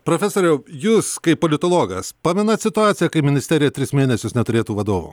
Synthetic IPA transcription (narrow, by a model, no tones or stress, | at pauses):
pɾoːfʲɛsoːɾʲɛʊjuːskɐɪppolʲɪt̪oːlˠoːɡɐspɑmʲɪnɐt̪sʲɪt̪ʊɑːt̪sʲɪjɛkɐɪmʲɪnʲɪsʲt̪ʲɛːɾʲɪjɛt̪ʲɾʲɪsmʲeːnʲɛsʲʊsnʲɛt̪ʊɾʲeːt̪uːʋɐd̪oːʋṵː